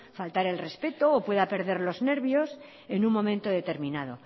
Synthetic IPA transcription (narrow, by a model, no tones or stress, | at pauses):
falt̪aɾe̞lre̞spe̞t̪o̞ːpwe̞ðape̞ɾðe̞ɾlo̞zne̞ɾβjo̞s | e̞nuŋmõ̞mẽnt̪oðe̞t̪e̞ɾmĩnað̞o̞